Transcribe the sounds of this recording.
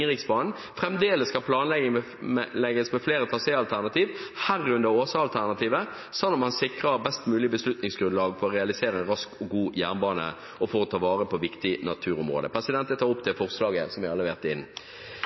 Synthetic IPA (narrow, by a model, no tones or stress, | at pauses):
ʁɪksbɑːnn̩ | fʁɛmd̪eːləskɑlpʰlɑːnlɛɡ | lɛɡːəsmɛfleːɾət̪ʰɑːsɛɑlt̪ʰæʁnɑt̪iːʋhæʁʉnd̪əʁoːsɑɑlt̪ʰæʁnɑt̪iːʋə | sɑnːɔmhɑnsɪkʁəbɛst̪mʉːlɪbəslʉt̪nɪŋsɡɾʉnlɑːɡfɔʁɔʁɛɑlɪseːɾəɛnʁɑskɔɡuːjæːʁnbɑːnə̰ | ɔfoːɾɔt̪ʰɑːʋɑːʁəpʰɔʋɪkt̪ɪnɑt̪ʰʉːɾʊmʁo̰ːd̪əpʰɾɛsɪd̪ɛnt̪ɛt̪ʰːɑːʁɔp̚ːt̪ʰɪlfɔʁslɑːɡəsɔmʋɪɑlːəʋeːʁt̪əɪ̰nː